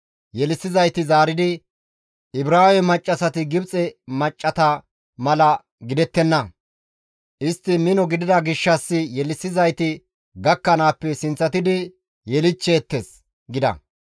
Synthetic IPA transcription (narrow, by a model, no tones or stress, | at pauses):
jɛlɪsɪzɐjt̪ɪzaːɾɪd̪ɪ | ʔɪbɾaːwɛmɐt͡ʃʼːɐsɐt̪ɪɡɪbt͡sʼɛmɐt͡ʃʼːɐt̪ɐ | mɐlɐ | ɡɪd̪ɛt̪ːɛnːɐ | ʔɪst̪ːɪmɪnɔɡɪd̪ɪd̪ɐɡɪʃːɐsːɪjɛlɪsːɪzɐjt̪ɪ | ɡɐkːɐnaːpːɛsɪnt͡sːɐt̪ɪd̪ɪ | jɛlɪt͡ʃːeːt̪ːes | ɡɪd̪ɐ̰